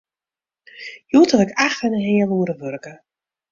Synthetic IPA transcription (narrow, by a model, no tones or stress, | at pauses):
juːtəlɛkaxənəɦeːəluəɾəʋørkə